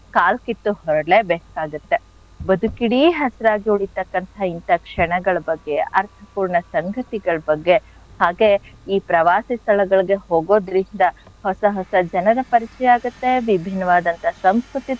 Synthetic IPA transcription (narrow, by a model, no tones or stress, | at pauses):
kaːlkit̪ːuɦɔɾɐɖlɭeːbeːkaːɡut̪ːe̞ | bɐd̪ʱukiɽiɦɐsɐɾaːɡiuɭit̪ːɐkːɐnt̪ɐint̪ɐkʂɛɳɐɡɐɭɐbɐɡːe̞ɐɾt̪ʰɐpuːɾɳɐsɐŋɡʱɐt̪iɡɐɭɐbɐɡːe̞ | haːɡe̞iːpɾɐʋaːsist̪ʰɐlɐɡɐɭiɡe̞ɦoːɡo̞ːd̪ɾind̪ɐ | hɔsɐɦɔsɐd͡ʒɐnɐɾɐpɐɾit͡ʃɛjaːɡut̪ːe̞ʋibʱinːɐʋaːd̪ɐnt̪ɐsɐmskɾut̪i